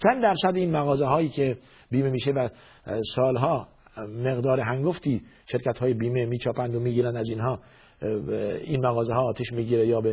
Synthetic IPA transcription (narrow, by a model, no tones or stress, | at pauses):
t͡ʃʰænd̪d̪æɾsæd̪iːnmæɣɒːzeɦɒːjiːkʰe | biːmemiːʃevæ | sɒːlɦɒː | me̞ɣd̪ɒːɾeɦæŋɡoft̪ʰiː | ʃe̞ɾkæt̪hɒːjebiːmemiːt͡ʃʰɒːpʰænd̪omiːɡiːɾænd̪æziːnhɒː | inmæɣɒːzeɦɒːt̪ʰeʃmiːɡiːɾejɒːbe